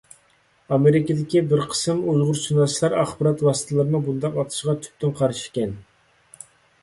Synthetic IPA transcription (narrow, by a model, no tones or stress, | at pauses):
ɑmeɾɪkʲid̪ɪkʲibɪɾqʰə̥sɨmujʁʊɾsunɑslˠɑɾɑχbɨɾɑt̪wɑsɨ̥t̪ʰəlˠɨɾɨnɨbund̪ɑqɑt̪ʰɨ̥ʃʁɑt̪ʰy̥p̚t̪ʰɪnqʰɑɾʃi̥kʲɛn